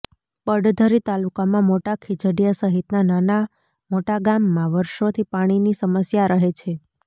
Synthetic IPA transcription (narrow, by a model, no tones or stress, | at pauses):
pəɖd̪ʱəɾit̪alukamãmoʈakʰid͡ʒəɽijasəɦit̪nanana | moʈaɡamːãʋəɾʃot̪ʰipaɽ̃inisəməsjaɾəɦet͡ʃʰe